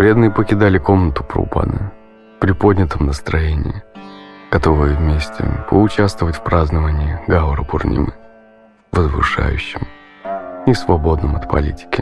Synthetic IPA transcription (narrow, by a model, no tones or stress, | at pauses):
vɾʲe̞d̪nɨjəpəkʲɪd̪alʲɪko̞mnət̪ʊ̥pɾʊ̰pa̰nɨ̰ | pɾʲɪpo̞dʲnʲɪt̪əmnəst̪ɾɐjenʲɪ̰ɪɡ̥ɐt̪o̞vɨjəvmʲesʲtʲɪ̰pʰəʊt͡ɕast̪vəvətʲfpɾaznəvənʲɪɪɡavɾəpʊrnʲḭmɨ̰ | vəzvɨ̰ʂa̰jʉ̰ɕːɪmʲ | ɪsvɐbo̞d̪nəmɐt̪pʰɐ̰lʲitʲɪ̥kʲɪ